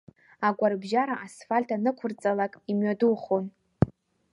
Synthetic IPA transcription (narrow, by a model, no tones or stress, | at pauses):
aɡʷarbʒaɾaʔasfalʲtʰanɨkʷʰʊrt͡sʼalakʼimɥaduχon